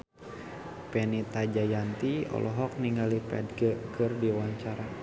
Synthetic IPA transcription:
pɛnit̪ad͡ʒajant̪iɔ̰lʔɔɦɔk̚niŋɡalipɛ̰dɡəkɨrdiwaɲt͡ʃaɾa

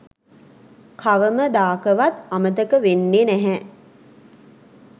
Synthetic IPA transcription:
kʰaʋəməd̪aːkəʋat̪amət̪əkəʋenːeːnæɦɛ

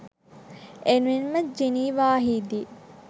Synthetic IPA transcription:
enuʋinməd͡ʒiniːʋaːɦiːd̪i

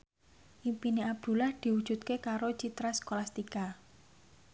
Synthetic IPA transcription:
ʔimpineab̚d̪̥ṳlahd̪̥i̤wud̥ʒ̥ṳt̪̚kekaɾot͡ʃit̪ɾaskolast̪ika

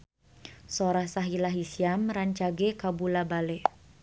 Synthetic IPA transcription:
soɾahsaɦilaɦisiamɾaɲt͡ʃaɡɛkabulabalɛ

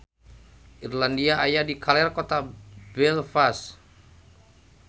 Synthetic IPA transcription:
ʔirlandiaʔajadikʰalɛrkɔt̪abɛlfas

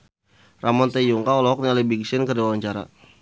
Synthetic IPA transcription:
rʔamɔnt̪ɛjuŋkaɔlɔɦɔk̚nialibiɡsɪnkərdiawaɲt͡ʃaɾa̰

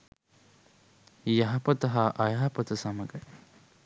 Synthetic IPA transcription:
jɐɦɐpɐt̪ɐɦaːʔɐjɐɦɐpɐt̪əsɐmɐɡɐ

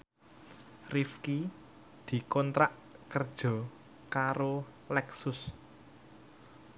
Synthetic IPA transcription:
rifki | d̪̥i̤kɔnt̪ɾaʔ | kərd̥ʒ̥ɔ̤ | kaɾo | lɛksʊs

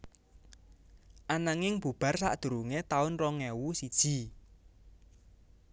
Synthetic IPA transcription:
ʔanaŋɪŋb̥ub̥a̤rsa̰ʔd̪̥ṳɾuŋet̪aʊnrɔŋɛwusid̥ʒ̥i̤

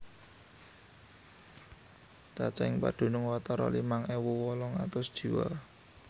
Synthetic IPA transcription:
t̪at͡ʃaɪŋpa̰ɖ̥o̤nʊŋwat̪ɔɾɔ̰limaŋɛwɔwɔlɔŋat̪ʊsd̥ʒ̥i̤wa̰

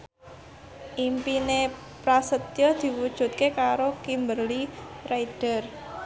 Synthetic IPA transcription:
ʔimpine | pɾasət̪jɔd̪̥i̤wud̥ʒ̥ṳt̪̚kekaɾokimbərliraid̥ər

